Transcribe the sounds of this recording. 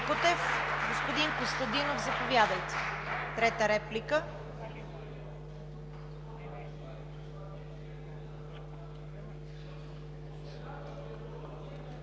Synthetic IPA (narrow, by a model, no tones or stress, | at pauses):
kot̪ɛfɡospʊd̪inkost̪od̪inovzɐpovʲjad̪əjt̪ɛ̥t̪ɾɛt̪əɾɛplikə